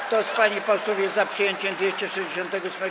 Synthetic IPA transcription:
t̪ɔspaɲipawswɔvʲjɛzapʂɨjeɲt͡ɕɛmd̪ʲeɕt͡ɕɛʂɛʑd͡ʑeɕɔ̃nt̪ɛɡɔsmɛ

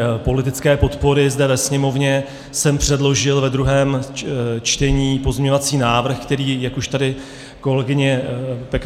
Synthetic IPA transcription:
po̞lɪt̪ɪt͡skɛːpo̞t̪po̞ɾɪzdɛvɛsɲɛmo̞vɲɛ | sɛmpr̝̥ɛdlo̞ʒɪlvɛd̪ɾuɦɛːm | t͡ʃt̪ɛɲiːpozmɲɛɲo̞vat͡siːnaːvr̩xkt̪ɛɾiːjakuʃt̪adɪ | ko̞lɛɡɪɲɛpɛk

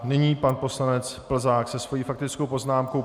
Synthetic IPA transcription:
nɪɲiːpanpo̞slanɛt͡spl̩zaːksɛsvo̞jiːfak̚t̪ɪt͡sko̞wpo̞znaːmko̞

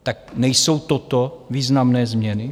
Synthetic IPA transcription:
t̪ak̚nɛjso̞wt̪ot̪oviːznamnɛːzmɲɛnɪ

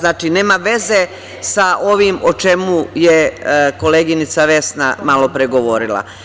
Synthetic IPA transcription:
naːt͡ʃine̞ːmaʋe̞ze̞ | saʔo̞ʋimot͡ʃe̞mujeko̞leːɡinit̪saʋe̞snamalˠo̞pɾeɡo̞ʋo̞ɾilˠa̰

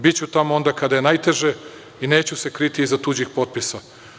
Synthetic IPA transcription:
bit͡ɕut̪amoo̞nd̪akad̪aje̞najt̪e̞ʒe | ine̞ːt͡ɕuse̞kɾit̪iːzat̪ud͡ʑixpo̞t̪̚pisa

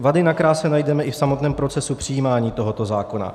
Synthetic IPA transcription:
vadɪnakɾaːsɛnajdɛmɛʔɪfsamot̪nɛːmpɾo̞t͡sɛsupr̝̥ɪjiːmaːɲiːt̪o̞ɦo̞t̪o̞zaːko̞na̰

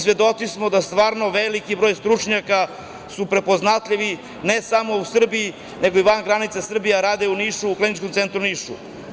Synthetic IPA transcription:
svje̞d̪o̞t̪sismod̪ast̪ʋaːɾnoʋelikibɾo̞jst̪ɾut͡ʃɲaka | supɾe̞po̞znat̪ʎʲiʋi | nesamo̞usr̩bii | ne̞ɡoiʋanɡɾanit̪sasr̩bijaɾaːd̪euniːʃuːklinit͡ʃkomt̪sent̪ɾuniːʃṵ

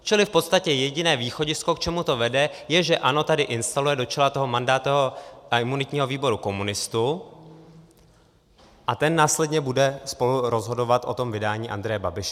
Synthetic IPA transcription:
t͡ʃɪlɪfpo̞t̪st̪acɛjɛɟɪnɛːviːxo̞ɟɪskokt͡ʃɛmut̪o̞vɛdɛjɛʒɛʔano̞t̪adɪʔɪnst̪alujɛdo̞t͡ʃɛlat̪o̞ɦo̞mandaːt̪ːoɦoɪmunɪt̪ɲiːɦo̞viːbo̞ɾuko̞munɪst̪u | ʔat̪ɛnːaːslɛdɲɛbudɛspo̞luɾo̞zɦo̞do̞vat̪ʔo̞̰t̪o̞mvɪdaːɲiːʔa̰nd̪ɾɛjɛbabɪʃɛ

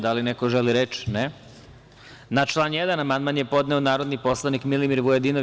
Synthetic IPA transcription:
d̪alinekoʒeliɾet͡ʃne | nat͡ʃlˠaːnjed̪anamand̪manjepo̞d̪ne̞onaːɾo̞d̪nipo̞slˠanikmilimiɾʋujed̪ino

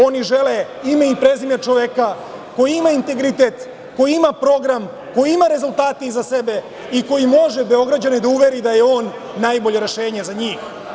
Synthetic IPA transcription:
o̞niʒe̞le | imeipɾezimjat͡ʃoʋeka | ko̞jiimaint̪e̞ɡɾit̪et̪ | ko̞jiimapɾo̞ɡɾam | ko̞jiimaɾe̞zulˠt̪aːt̪iizasebe̞ | iko̞jimo̞ʒebe̞o̞ɡɾad͡ʑaned̪auʋe̞ɾid̪aje̞o̞ːnː | ajbo̞ʎe̞ɾe̞ʃe̞ːɲe̞zaɲiːx

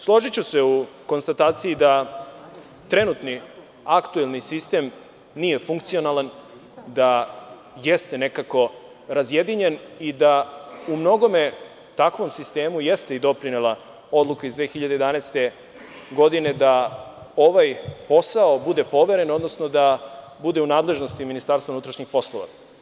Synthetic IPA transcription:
slˠo̞ʒit͡ɕuse̞uko̞nst̪at̪aːt̪siid̪a | t̪ɾe̞nut̪ni | akt̪uelˠnisist̪e̞m | nije̞fuŋk̚t̪sijo̞nalan | d̪a | je̞st̪e̞ne̞kako̞ | ɾazje̞d̪iɲe̞nid̪aumno̞ɡo̞me | t̪akʋo̞msist̪e̞ːmuje̞st̪eid̪o̞pɾinelˠa | o̞d̪lˠukaizd̪ʋeːxiʎad̪ejd̪anest̪e̞ | ɡo̞d̪ine̞d̪ao̞ʋajpo̞saobud̪e̞po̞ʋe̞ɾe̞no̞d̪no̞snod̪abud̪e̞unaːd̪le̞ʒno̞st̪iminist̪aːɾst̪aunut̪ɾaʃɲixpo̞slˠo̞̰ʋa̰

